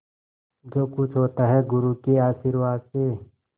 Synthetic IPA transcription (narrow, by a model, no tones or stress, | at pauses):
d͡ʒoːkʊt͡ʃʰɦoːt̪aɦɛɡʊɾukeaːʃiɾʋaːd̪̚se